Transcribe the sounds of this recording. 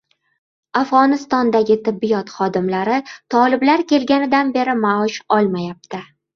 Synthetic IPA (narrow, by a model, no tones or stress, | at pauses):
afʁɒnɪst̪ɒnd̪aɡʲɪt̪ʰɪbːɪjɒt̪χɒd̪ɪmlaɾɪt̪ʰɒlˠɪblaɾkʲe̞lɡʲanɪd̪anbe̞ɾɪmaɒʃɒlˠmajap̚t̪ʰɪ